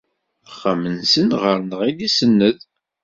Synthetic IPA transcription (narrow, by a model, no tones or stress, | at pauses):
əχːəmənsənʁəɾnəʁilisənːəð